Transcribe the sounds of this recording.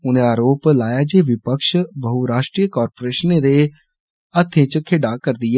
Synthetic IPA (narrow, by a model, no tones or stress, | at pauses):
ʊnẽaːɾoːplaːjad͡ʒeʋɪpəkʃbəɦuɾaːʃʈɾijəkɔːɾpoːɾeːʃənẽd̪e | ɐt̪ʰːẽt͡ʃəkʰeːɖakəɾd̪ɪjeː